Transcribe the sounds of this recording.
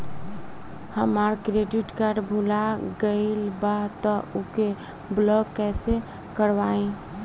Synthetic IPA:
həməɾkɾeɖiʈkaɾɖbʱulaɡəɪlbat̪ɔoke | blɔɡkɛse | kəɾʋaẽ

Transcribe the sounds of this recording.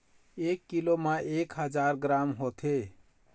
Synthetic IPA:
ekːilomãʔekɦəd͡ʒaɾɡɾamɦot̪ʰe

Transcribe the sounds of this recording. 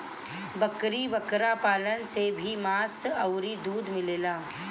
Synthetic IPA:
bəkɾiːbəkɾapalənsebʱiːmasəwɾiːd̪uːd̪ʱmilela

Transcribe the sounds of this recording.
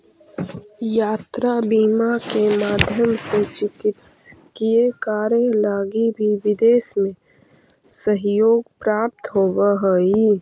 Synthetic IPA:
jaːt̪ɾabiːmakemaːd̪ʱjəmset͡ʃɪkɪt̪skiekaːɾjəlaːɡibʱiʋɪd̪eːsmẽ | səɦjoːɡpɾaːp̚t̪ɦoːwaɦəi

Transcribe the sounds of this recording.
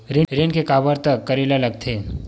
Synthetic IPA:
ɾiɾenkekaːbəɾt̪əkːɐɾilalɐɡ̚t̪ʰe

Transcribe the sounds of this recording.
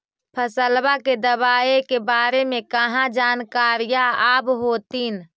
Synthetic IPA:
pʰəsəlbaked̪əβaːekebaːɾemẽkəɦãd͡ʒaːnkaːɾijaaːbɦoːt̪in

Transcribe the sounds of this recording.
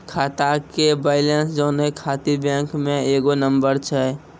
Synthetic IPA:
kʰat̪akebaɪlensd͡ʒənekʰat̪ibẽŋkmeeɡonəmbəɾt͡ʃʰɛ

